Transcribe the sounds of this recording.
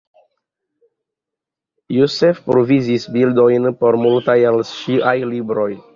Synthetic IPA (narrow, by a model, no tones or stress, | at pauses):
josefpɾovizisbild̪o̞jnpo̞ɾmult̪ajalʃiʔajlibɾo̞j